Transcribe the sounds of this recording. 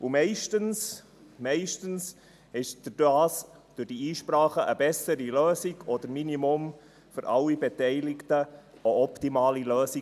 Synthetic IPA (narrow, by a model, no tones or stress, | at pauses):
ʔumɛɪʃtəns | mɛɪʃtəns | hɛʃd̥əd̥aːsd̥ʉɾd̥iiːʃpɾɑːχəʔəbɛsəɾiløːziɡɔd̪əɾminimom | fʏɾʔɑlːibɛtɛɪlɪktəʔoɔptimɑːliløːsi